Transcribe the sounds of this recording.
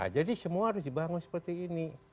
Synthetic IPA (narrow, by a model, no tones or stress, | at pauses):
a̰d͡ʒadisəmuaɾʊsdibaŋʊnsə̥pərt̪iːni